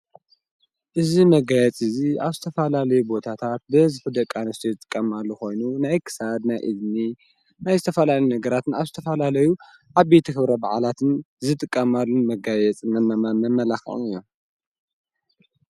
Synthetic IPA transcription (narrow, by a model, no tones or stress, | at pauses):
ʔɨzimɐɡajɛt͡sʼɨziaβzɨt̪ʰɐfɐlalɐjubo̞t̪ʰat̪ʰat̪̚bɨzɨfɨd̪ɐkʼːanɐst̪ʰizɨt̪ʼɨ̥kʼːɐmalːuxo̞jnunajkʰɨ̥sad̪najʔɨ̰zni | najzɨt̪ʰɐfɐlalɐjunɐɡɐɾat̪ʰɨnaβzɨt̪ʰɐfɐlalɐju | ʕaβet̪ʰɨxɨβɾɐba̰ʕa̰lat̪ʰɨn | zɨt̪ʼɨkʼːɐmalːunmɐɡajɛt͡sʼmɐmɐmamɐmːɐlaxɐ̰ʔɨjːom